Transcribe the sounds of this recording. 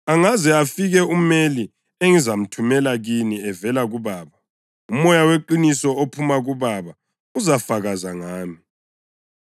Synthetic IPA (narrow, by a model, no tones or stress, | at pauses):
aŋazɛafiɣɛumeli | eŋizam̩tʰumɛlaɣiniɛvɛlaɣuβaːβa | umɔjaweǃinisɔopʰumaɣuβaβa | uzafaɣazaŋaːmi